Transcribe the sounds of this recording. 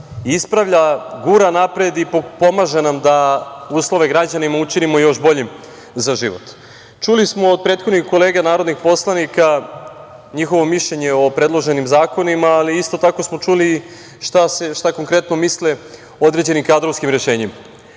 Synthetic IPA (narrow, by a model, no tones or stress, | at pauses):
ispɾaʋʎaɡuɾanapɾe̞d̪ipopo̞maʒenamd̪auːslo̞ʋeɡɾad͡ʑanimaut͡ʃinimo̞jo̞ʃbo̞ʎim | zaʒiʋo̞̰t̪ | t͡ʃulismoːd̪̚pɾe̞ːt̪xo̞d̪nixko̞le̞ːɡanaːɾod̪nixpo̞slˠanika | ɲixo̞ʋo̞miʃʎe̞ɲe̞o̞pɾe̞d̪lˠo̞ʒe̞nimzaːko̞nimaːliist̪o̞t̪ako̞smo̞t͡ʃuli | ʃt̪aseʃt̪ako̞ŋkɾe̞t̪no̞misle | od̪ɾe̞d͡ʑe̞nimkad̪ɾo̞ʋskimɾe̞ʃe̞ːɲima